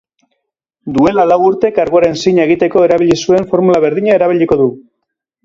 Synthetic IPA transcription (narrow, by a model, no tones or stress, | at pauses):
d̪ue̞lalawuɾt̪e̞kaɾɣoaɾe̞nsiɲe̞ɣ̞it̪e̞ko̞e̞ɾaβiʎisue̞ɱfo̞ɾmulaβ̞e̞ɾðiɲae̞ɾaβiʎiko̞ðu